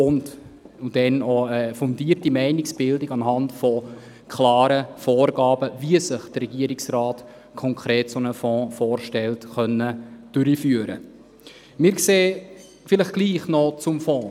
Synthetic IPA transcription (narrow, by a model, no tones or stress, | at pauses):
ʊnd | udɛnoəfʊndiːərtimɛɪnɪksb̥ɪldɪɡɑnɦɑntfɔ | kʰlɑːɾəfɔːɾɡɑːbəviəsəχd̥ərɾɛɡiəɾɪksrɑːt | kʰɔŋkʰɾeːtsonəfɔ̃ːfɔːɾʃtɛltχœnːəd̥ʉɾifyːəɾə̰ | mɪːɾkseː | fɪləχɡ̥liːχnɔt͡sʊmfɔ̃ː